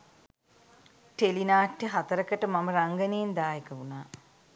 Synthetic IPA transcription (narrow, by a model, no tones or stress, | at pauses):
ʈelinaːʈːeɦat̪əɾəkəʈəmaməɾaŋɡəneːnd̪aːjekəunaː